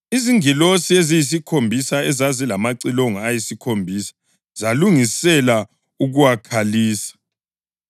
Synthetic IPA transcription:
iziŋilosiezijis̬ikʰombʱisaɛzazilamaǀiloŋajisikʰombʱiːsḁ | zaluŋisɛla | uɣuwakʰaliːsḁ

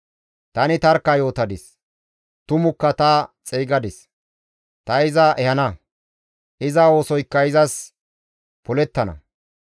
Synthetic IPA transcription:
t̪ɐnɪt̪ɐɾkːɐjo̞ːt̪ɐd̪ɪs | t̪ʊmʊkːɐt̪ɐt͡sʼeːɡɐd̪ɪs | t̪ɐɪzɐʔɛhɐnɐ | ʔɪzɐwo̞ːsɔjkːɐɪzɐs | pʊlɛt̪ːɐnɐ̰

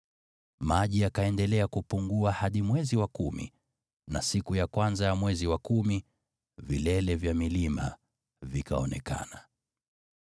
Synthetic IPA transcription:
maʄiakaɛndɛlɛakupuŋɡuahaɗimwɛziwakumḭ | na̰sikujakwanzajamwɛziwakumi | vilɛlɛvjamilima̰ | vikaɔnɛ̰ka̰na

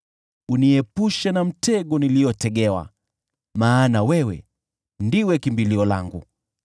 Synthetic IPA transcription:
uniɛpuʃanam̩tɛɠɔniliɔtɛɠɛwa̰ | maːnawɛwɛ̰ | ndiwɛkimbiliɔla̰ŋɡṵ

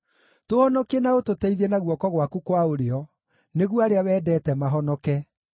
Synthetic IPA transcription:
tohɔnɔkenaototɛiðɛnaɣwɔkɔɣwakukwaoɾeɔ | neɣuaɾeawɛːdɛːtɛmaɦɔnɔkɛ

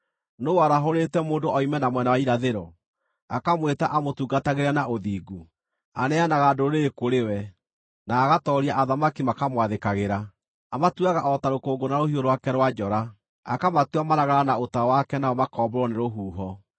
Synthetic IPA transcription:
noaɾaɦoɾeːtɛmoːndoɔimɛnamwɛnawaiɾaðeɾɔ | akamwetaʔamotuːɡataɣeɾɛnaʔoðiːɡu | anɛanaɣadoɾeekoɾewɛ | naːɣatɔɾiaʔaðamakimakamwaðekaɣeɾa | amatwaɣaʔɔtaɾokoːɡonaɾohioɾowakɛɾwad͡ʒɔɾa | akamatwamaɾaɣaɾanaotawakɛnaɔmakɔːbɔɾɔneɾoɦuːɦɔ

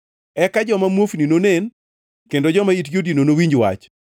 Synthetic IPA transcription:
ɛkad͡ʒɔmamwofninonen | kendod͡ʒɔmaitjodinonowiɲd͡ʒwa̰t͡ʃ

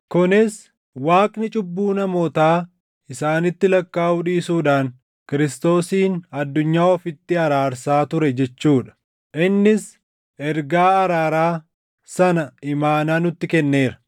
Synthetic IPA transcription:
kʊnɪs | waːkʼnɪt͡ʃʼʊbːuːnɐmoːt̪aː | ɪsaːnɪt̪ːɪlɐkːaːʔʊᶑiːsuːᶑaːn | kɪɾɪst̪o̞ːsiːnɐd̪ːʊɲːaːɔfɪt̪ːɪɐɾaːɾsaːt̪ʊɾɛd͡ʒɛt͡ʃːuːᶑɐ̥ | ʔɪnːɪs | ʔɛɾɡaːɐɾaːɾaː | sɐnɐɪmaːnaːnʊt̪ːɪkɛnːe̞ːɾɐ̥

